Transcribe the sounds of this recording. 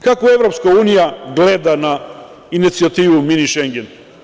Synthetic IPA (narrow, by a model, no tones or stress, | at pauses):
kakoɛvɾɔpskaunijaɡlɛd̪ana | init̪siat̪ivuminiʃɛŋɡɛn